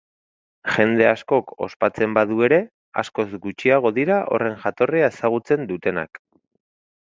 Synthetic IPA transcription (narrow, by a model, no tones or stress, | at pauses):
ʝe̞nd̪e̞asko̞ko̞̰spat͡se̞mbaðue̞ɾe̞ | a̰sko̞zɡut͡ʃiaɣ̞o̞ðiɾaʔo̞̰re̞ŋʝat̪o̞riaesaɣ̞ut͡se̞nd̪ut̪e̞na̰k